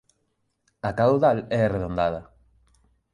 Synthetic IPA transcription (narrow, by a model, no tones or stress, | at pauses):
akawðalɛareðõnd̪að̞ɐ